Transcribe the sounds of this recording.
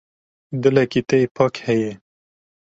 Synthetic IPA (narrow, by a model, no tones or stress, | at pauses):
d̪ɨlɛkit̪ɛipʰɑːkhɛjɛ